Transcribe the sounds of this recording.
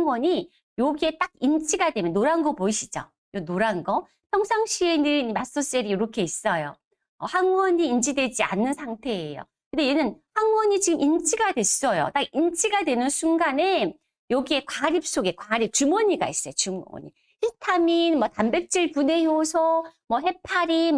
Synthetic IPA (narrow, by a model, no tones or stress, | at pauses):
aŋwʌɲi | joɡie̞t͈aɡint͡ɕʰiɡadwe̞mjʌnːoɾanɡʌpoiɕʰi̥d͡ʑo̰ | jonoɾanɡʌ | pʰjʌŋsʰaŋɕʰie̞nɯimas͈ʌs͈eɾiiɾʌkʰe̞is͈ʌjo̰ | ʌhaŋwʌɲiːnt͡ɕʰidwe̞d͡ʑia̰nːɯnsʰaŋtʰe̞ːjo̰ | kɯndejenɯnhaŋwʌɲit͡ɕiɡɯmʔint͡ɕʰiɡadwe̞s͈ʌjo̰t͈aɡ̚int͡ɕʰiɡadwe̞nɯnsʰuŋɡane̞ | jʌɡie̞kwaɾip̚s͈oɡe̞kwaɾip̚t͡ɕumʌɲiɡa̰is͈ʌjot͡ɕumʌ̰ɲi | itʰaminmʌtambe̞p̚t͡ɕ͈iɭpune̞josʰʌmʌɦe̞pʰaɾi